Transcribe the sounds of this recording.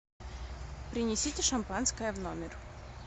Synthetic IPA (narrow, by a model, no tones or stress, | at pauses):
pɾʲɪnʲɪsʲitʲɪʂɐmpanskəjəvnomʲɪr